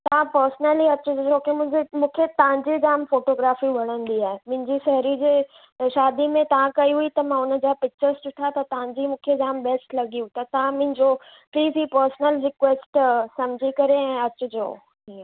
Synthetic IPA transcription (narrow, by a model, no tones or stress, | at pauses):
t̪ɐʋ̤ãpəɾsnəliɐt͡ɕʊd͡ʑd͡ʑoːkemʊ̃ɦɪ̃d͡ʑemũːkʰet̪ɐʋ̤ãɲd͡ʑid͡ʑaːmfoːʈoːɡɾaːfiʋɐɽ̃ənd̪iaːɦemʊ̃ɦɪ̃ɲd͡ʑisɛɦɾid͡ʑeː | ʃaːd̪imẽt̪ɐʋ̤ãkɐiɦuit̪ɐmãʊnə̆d͡ʑaːpɪk̚t͡ɕəɾst͡ɕʊʈʰat̪ɐt̪ɐʋ̤ãɲd͡ʑimũːkʰed͡ʑaːmbɛːsʈlɐɡijũt̪ɐt̪ɐʋ̤ãmʊ̃ɦɪ̃ɲd͡ʑo | pliːzɦiːpəɾsnəlɾɪkweːsʈsɐ̃mɪd͡ʑʱikɐɾeɛ̃ːɐt͡ɕʊ̆d͡ʑo̰ː | i